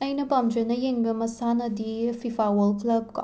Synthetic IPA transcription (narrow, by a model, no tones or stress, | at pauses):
ɐjnɐpamd͡ʒɐnɐjeŋbɐmɐsanɐdipʰipʰawɐlklɐb̚ka̰